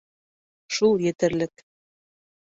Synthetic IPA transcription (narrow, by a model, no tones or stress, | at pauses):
ʃulˠjĕt̪ɘ̆ɾlɘ̆k